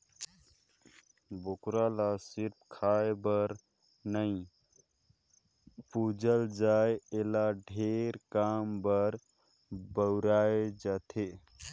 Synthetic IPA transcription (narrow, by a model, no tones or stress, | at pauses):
bokɾalasiɾp̚ʰkʰaebəɾ | nəĩ | pud͡ʒəld͡ʒaeelaɖʱeɾkambəɾ | bəwɾaed͡ʒat̪ʰe